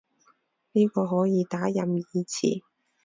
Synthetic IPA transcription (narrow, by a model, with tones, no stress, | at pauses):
niː˥kɔː˧ɦɔː˨˥jiː˨˧t̪aː˨˥jɐ˨mjiː˧t͡sʰḭː˨˩